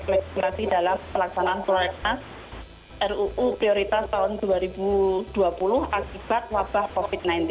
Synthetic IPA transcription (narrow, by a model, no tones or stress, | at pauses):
maksimasidalampəlaksanaʔansulaɾɛkas | ʔɛruʔupɾioɾit̪ast̪aɦʊnduaɾibud̥uapulʊhʔakib̥at̪̚wab̥ahkofit̪̚najnt̪i